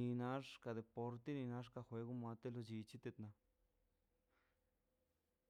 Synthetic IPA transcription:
i˧na˦ʂka˧d̪e˨po˧ɾt̪e˦ni˧na˧˦ʂka˧xwe˧˦ɡu˦ma˧t̪e˦lo˧d͡ʒi˧t͡ʃi˦t̪e˧t̪na˧

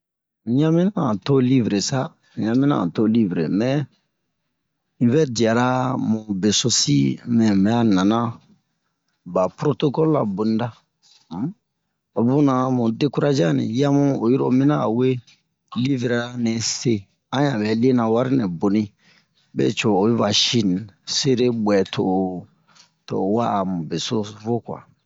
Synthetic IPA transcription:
ɲã˦mĩ˦nã˦˨to˦li˦vɾe˨sa˦˨ | ɲã˦mĩ˦nã̰˦˨to˦li˦vɾḛ˨mɛ˨ | ĩ˦vɛ˦di˨a˨ɾa˦mũ˨be˨so˦si˦mɛ̃˨mɛ˨a˦nã˨nã˦ | ba˨pɾo˦to˦kɔ˦lu˦la̰˨bo˨nĩ˦da˦ | o˨bũ˦nã˨mũ˨de˦ku˦ɾa˦d͡ʒa˦nḭ̃˨ja˦mũ˦o˨jɔ˦ɾo̰˦˨mĩ˦nã˦˨we˦ | li˦vɾa˨˦nɛ̃˨se˦ | ã˦jã˨bɛ˨le˦nã˨wa˦ɾi˦nɛ̃˨bo˨nĩ˦ | bḛ˦˨t͡ʃoː˨˦ba˨ʃi˦n˨se˦ɾe˦ɡ͡bwɛ˨tʰo˨ | to̰˨wa˦˨mũ˨be˨so˦vo˦kwa̰˨

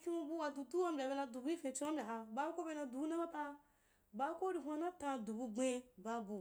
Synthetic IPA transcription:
kʲi˦u˧bu˦wa˧du˨tu˦wa˦m̩˦bʲa˨be˧na˧du˨ɡu˦i˦fẽ˧˨t͡ʃo˦bʲa˨ɦa˧ba˦ko˦be˧na˧du˨u˦na˦ba˦pa˧ | ba˦ko˦ɾi˧ɦʷa˧na˦ta˧du˨bu˧ɡ͡be˧ba˦bu˨

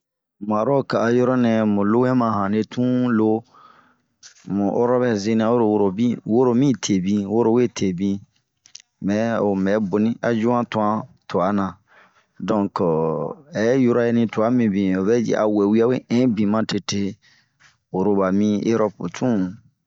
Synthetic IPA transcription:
ma˨ɾɔ˦ka˨a˨jɔ˦ɾɔ˦nɛ̃˨mũ˨lo˦wɛ̃˦mã˨ɦã˨ne˨tũ˦lo˦ | mũ˨ʔo˦ɾɔ˦βɛ˦ze˦nĩ˨a˦wo˦ɾo˨wo˦ɾo˨bĩ˦wo˦ɾo˦mĩ˦tʰe˨bĩ˧wo˦ɾo˦˨we˦tʰe˨bĩ˦ | mɛ˨o˨mɛ˨˦bo˨nĩ˦ʔa˨d͡ʒu˦ã˦tu˨ã˦to˨a˨˦nã˨ | dɔ̃˦˨kɛ˨ɛ˦ju˦ɾa˦je˦nĩ˨tu˨a˦mĩ˨bĩ˨o˨βɛ˦d͡ʒɛ̰˨ʔa̰˨wɛ˨wi˦a˦we˦ʔɛ̃˦bĩ˨mã˦te˨te˦ | o˨ɾo˨ba˨mĩ˦e˦ɾɔ˦po˨tʰũ˦˨

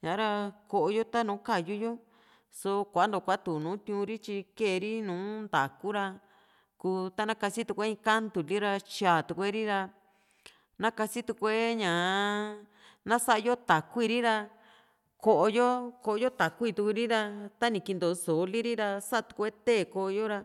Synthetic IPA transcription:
ɲã˨˦ɾa˧ko˧˨ʔo˧jo˦t̪a˦nũː˨˦ka˦˧˨ju˦jo˦ | so˧kʷa˨a˦nd̪o˨˧kʷa˧˨˦t̪u˨nũː˨˦t̪ʲũ˧ɾi˦t͡ʃi˧ke˦˨˧ɾi˦nũː˨˦nd̪a̰˨ku˦ɾa˧ | kuː˧t̪a˦nã˦ka˧si˦t̪u˧kʷe˦ĩ˧˦ka˦nd̪u˨li˦ɾa˧t͡ʃaː˨t̪u˧kʷe˦ɾi˦ɾa˧ | nã˦ka˧si˦t̪u˧kʷe˦ɲã˨ | nã˦sa˦ʔa˧jo˦t̪a˨ku˦i˦˧ɾi˦ɾa˧ | ko˧ʔo˧jo˦ko˧o˧jo˦t̪a˨kʷu˦i˧t̪u˧ku˧ɾi˦ɾa˧t̪a˦nĩ˧˨ki˧nd̪o˨˧so˨li˦ɾi˦ɾa˧sa˦a˧u̥˧kʷe˦t̪e˦˨ko˧o˧jo˦ɾa˧

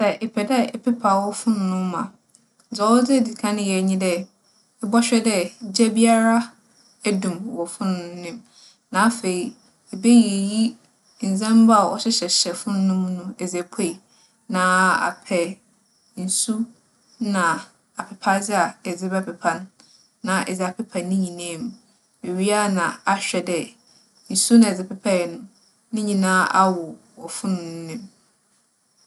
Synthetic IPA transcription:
sɛ˨ʔe˨pʰɛ˨dɛ˦ɛ˨pʰɛ˦pʰa˨wɔ˦fʊ̃˦nʊ̃˨nʊ̃˦m˦mã̰˨ | d͡zɔ˨˦d͡zɪ˦˨dɪ˨kʰã˦nɪ̃˦jɛ˨ɲĩ˦dɛ˦ | ɛ˦bɔ˦ɕᶣɛ˦dɛ˦˨d͡ʑɛ˦bi˦a˦ɾa˦ | æ˦dũ˨mwɔ˨fʊ̃˦nʊ̃˨˦nɪ̃˦m | nã˨˦fe˨i˨ | ɛ˨be˦je˨ji˦ | n̩˨d͡zɛ̃˦m˦ba˦˨wɔ̰˦ɕɪ˦ɕɛ˨ɕɛ˨fʊ̃˦n˦nʊ̃˦m˦nʊ̃˦ɛ˨d͡zæ˨pʰe˦˨i˨ | nã˦a̰˨pʰɛ˨ | n̩˨su˦ | nã˨ | a˨pʰɪ˨pʰa˦d͡zɪ˦a˨ɛ˨d͡zɪ˦bɛ˦pʰɛ˨pʰã˦nː | ã˨ʔɛ˨za˨pʰɪ˦pʰã˨nĩ˦ɲĩ˨nãː˦˨m̃˨ | be˨ɥi˦a˦nã˨a˦ɕᶣɛ˨dɛ˦ | n̩˨su˦nã˨ɛ˨d͡zɪ˨pɪ˦pʰa˦ɛ˨nʊ̃˦ | nɪ̃˦ɲĩ˨nãː˦ʔa˦wʊ˨ | ɔ˨fʊ̃˦nʊ̃˨˦nɪ̃˦m

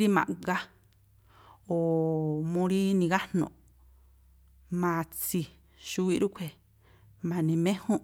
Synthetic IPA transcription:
ɾi˦mã̰˨ɡa˦ | o˨mõ˧ɾi˦nĩ˧ɣa˦nõ̰˧˨ | mã˨˧˨t͡si˧ | ʃu˧wi˦˧ɾu˦kʷʰe˨ | mã˨nĩ˧mẽ˦hõ˦

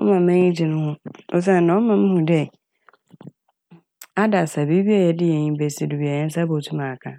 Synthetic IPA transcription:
ɔ̰˦mã˨mɛ̃˦ɲĩ˦d͡ʑɪ˨nʊ̃˦hʊ̃˦ɔ̰˦s̬a˦˨nã˨˦ɔ˦mã˨m̩˦hʊ̃˨dɛ˦˨ | a˦da˨sa˨bi˦bi˦a˦˨jɛ˨dɪ˦jɛ˨ɲĩ˦bɛ˨si˨du˨bi˨a˨ɛ˦n̩˦sa˦bo˨tʰu˦mã˨kʰã˦˨

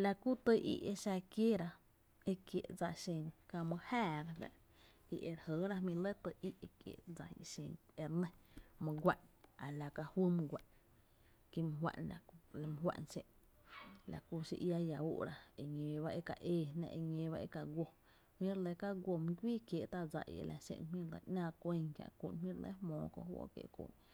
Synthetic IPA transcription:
la˧ku˦t̪ə˧ʔḭ˧ʔe˧ʃa˧kje˦ɾa˧ | e˦kje˨ʔd͡za˧ʃẽ˧nka˧mə̃˧hæː˦˨ɾa˦nã̰˧ʔ | ḭ˧ʔe˧ɾhə˨˦ɾa˦mĩ˧le˦t̪ə˧˨i˦ʔe˧kjḛ˨ʔd͡za˧ḭ˧ʃẽ˧˨ne˧ɾnẽ˦mə̃˧ɡʷa˦˨ʔna˨la˨ka˧hwə˦m˧ɡʷa˨ʔ | ki˦m˨ɦwa̰˧˨nla˨le˧m̃˦ɦwa̰˧ʔnse˧ʔ | la̰˨ku˧ʃḭ˧ʔja˧ja˨uː˦ʔɾa˦e˨ɲẽ˧˨ba˦ʔe˦ka˨ʔeː˧˨nã̰˧ʔe˧ɲẽ˧˨˦ba˦e˦ka˨ɡʷo˧ | hmĩ˦ɾe˧le˧ka˦ɡwʷo˧mĩ˦ɡʷiː˦kje˨ʔt̪a˦d͡za̰˧ʔḭ˨ḛ˧lʔa̰˧sḛ̃˧˨nmĩ˦lḛ˧˨ʔnãː˦˧kʷe˧ŋkja̰˧ʔkʷṵ˧˨nmĩ˦ɾlḛ˦hmɔ̃ː˧˨kõ̰˧ʔhwo̰˦kjḛ˧˨ʔkʷṵ˧˨n

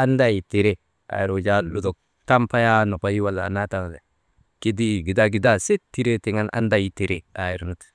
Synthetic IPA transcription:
a˦nda˦˨ji˨ti˨ɾe˦ | a̰˨ji˨ɾo˨d͡ʒa˦lu˨do˨k̚ | ta˦mpa˦ja˦no˨pa˦ji˦wa˦lːa̰˨na˦ta˦ŋ˨de˨ | ki˦di˦˨ɡi˨da˦ɡi˨da˦se˦tːi˦ɾe˦ti˨ŋa˦nʔa̰˦nda˦ji˦ti˨ɾe˦a˨ji˨ɾnu˦t

